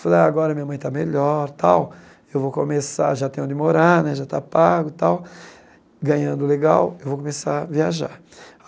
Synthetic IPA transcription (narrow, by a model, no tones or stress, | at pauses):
falaaɡɔɾɐmĩɲɐmɐ̃j̃t̪ameʎɔɾt̪ʰaw | ewvokõmesa̰ɾʒat̪ẽj̃õd̪ɪmoɾaɾnɛʒat̪a̰paɡʊt̪aw | ɡɐ̃ɲɐ̃nd̪ʊleɡa̰wewvowkõmesaɾviaʒa̰ɾ